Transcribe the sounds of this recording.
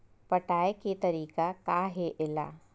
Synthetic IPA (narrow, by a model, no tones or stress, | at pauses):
pɐʈaːeket̪ɐɾiːkakaːɦeʔɪla̰ː